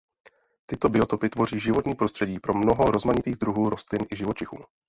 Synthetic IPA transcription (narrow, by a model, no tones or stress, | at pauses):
t̪ɪt̪o̞bɪo̞t̪opɪt̪vo̞r̝iːʒɪvo̞t̪ɲiːpɾo̞st̪r̥ɛɟiːpɾo̞mno̞ɦo̞ɾo̞zmaɲɪt̪iːɣd̪ɾuɦuːɾo̞st̪lɪnʔɪʒɪvot͡ʃɪxṵː